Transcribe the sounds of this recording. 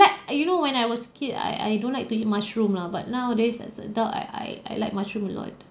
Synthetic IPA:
lak̚junowɛ̃najwɔskʰita̰ja̰jdõnlaɪk̚tuit̚mat͡ʃɹũmlaba̰t̚nawdɛssə̰daa̰a̰ja̰jlaɪk̚mat͡ʃɹũmə̃lɔ̰t̚

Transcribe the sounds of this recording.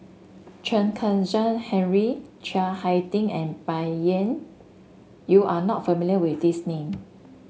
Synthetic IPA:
t͡ʃə̃nkʰə̃nd͡ʒãnhɛ̃nɹit͡ʃahajtĩŋɛ̃nbaə̃n | juʔanɔt̚fəmiljəwifdisnẽm

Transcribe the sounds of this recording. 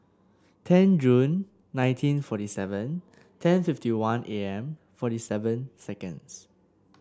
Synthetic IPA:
tʰɛ̃nd͡ʒũnː | ãj̃ntʰĩnfɔtisɛvə̃n | tʰɛ̃nfiftiwãnʔeɛ̃m | fɔtisɛvə̃nsɛkə̰̃ns

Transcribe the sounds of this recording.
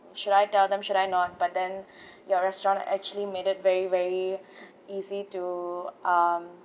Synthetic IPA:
ʃʊɾaɪtɛld̪ɛ̃mʃʊɾaɪnɔt̚bat̚d̪ɛ̃njɔɹɛstɹɔ̃ntɛ̰k̚t͡ʃuəlimeːɾɪt̚vɛɹivɛɹi | iːzituʔʌm

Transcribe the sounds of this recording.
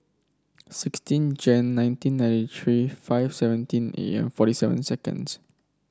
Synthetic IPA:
sɪkstĩnd͡ʒɛ̃nnãj̃ntĩnːãj̃ntitʰɹifaɪfsɛvə̃ntĩnḛɛ̰̃mfɔɾisɛvə̰̃nsɛkə̰̃ns

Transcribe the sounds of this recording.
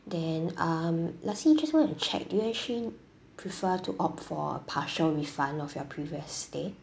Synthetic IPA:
dɛ̃namlasid͡ʒaswɔ̃nɛt͡ʃʰɛ̰k̚dujuɛk̚t͡ʃəli | pʰɹifətʰuʔɔpfɔ̰ə̰pʰaʃəlɹifãnɔfjɔpʰɹiviəsde

